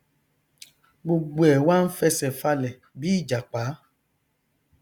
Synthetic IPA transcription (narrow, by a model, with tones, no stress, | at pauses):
ɡ͡bo˧ɡ͡bo˦˨ɛ˨wa˦n̩˦fɛ˦sɛ˨fa˧lɛ˨ | bi˨˦˨d͡ʒa˨k͡paː˨˦